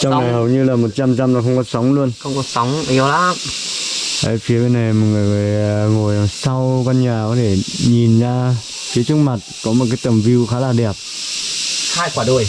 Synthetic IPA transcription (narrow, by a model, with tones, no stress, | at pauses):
t͡ɕɔ˧wa˨˩jhə˨˩wɲɨ˧laː˨˩mo˨˩t̚t͡ɕa˧mza˧mlaː˨˩xə˧wŋ͡mkɔ˨˦sɔ˨˦wŋ͡mlu˧ənxə˧wŋ͡mkɔ˨˦sɔ˨˦wŋ͡mi˨˧˦laː˧˦˧ | ʔə˨˦fi˨˦əkə˧˦na˨˩jmɔ˨˩tŋɨ˨˩ŋɨ˨˩əjŋo˨˩jlaː˨˩msa˧wka˧nɲaː˨˩kɔ˨˦t̪ʰe˧˩ɲi˨˩nzaː˧ | fi˨˦ət͡ɕɨ˧˦k̚ma˨˩t̚kɔ˨˦m˨˩t̚kaː˨˦jt̪ə˨˩mvi˧wxaː˨˦laː˨˩ɗɛ˨˩əp̚ | xaː˧jkwaː˧˩ɗu˧˩əj